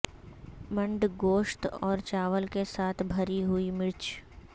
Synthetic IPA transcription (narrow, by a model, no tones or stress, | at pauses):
mə̃ɳɖɡoːʃt̪ɔːɾt͡ʃaːʋəlkesaːt̪ʰbʱɐɾiɦuimɪɾt͡ʃ